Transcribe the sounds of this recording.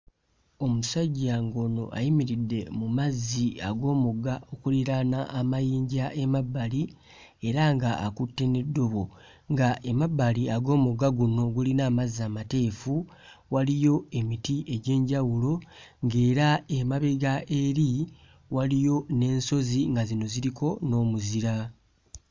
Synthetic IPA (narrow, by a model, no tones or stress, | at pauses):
o̞musaɟːaŋɡo̞ːno̞̰ʔa̰jimiɾidːe̞mumazːiaɡo̞ːmuɡao̞kuliɾanaʔːmajiːɲɟaʔe̞mabːali | e̞ɾaŋɡa̰ːkutːe̞nedːo̞βo̞ | ŋɡaʔemabːaliaɡo̞ːmuɡaɡuno̞ɡulinaːmazaːmate̞ːfu | walijo̞e̞mitiʔe̞ɟe̞ːɲɟawulo̞ŋɡe̞ːɾaemaβeɡaʔe̞ɾi | walijo̞ne̞ːnso̞ziŋɡazino̞ziɾikʰo̞no̞ːmuziɾa